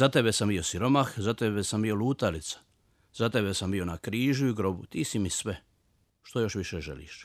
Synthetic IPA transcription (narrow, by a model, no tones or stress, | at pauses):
zat̪ebesambijo̞siɾo̞maxzat̪ebesambijo̞luːt̪alit̪sḁ | z̥at̪ebesambio̞nakɾiːʒuiɡɾo̞but̪iːsimisʋe | ʃt̪o̞jo̞ʃʋiʃeʒelḭʃ